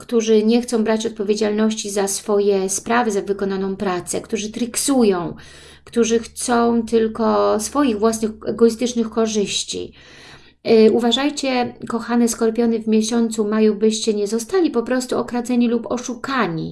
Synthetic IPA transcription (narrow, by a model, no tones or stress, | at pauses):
kt̪uʐɘɲɛxt̪sɔ̃w̃bɾat͡ɕɔt̪̚pɔvʲjed͡ʑalnɔɕt͡ɕizasfɔjɛspɾavɘzavɘkɔnanɔ̃w̃pɾat̪sɛkt̪uʐɘt̪ɾɘksujɔ̃w̃ | kt̪uʐɘxt̪sɔ̃w̃t̪ɘlkɔsfɔjiɣvwasnɘxɛɡɔist̪ɘt͡ʂnɘxkɔʐɘɕt͡ɕḭ | uvaʐajt͡ɕɛkɔxanɛskɔɾpʲɔnɛvmʲjeɕɔnt̪sumajubɘɕt͡ɕɛɲɛzɔst̪alʲipɔpɾɔst̪uɔkɾad̪zɛɲilupɔʂukaɲḭ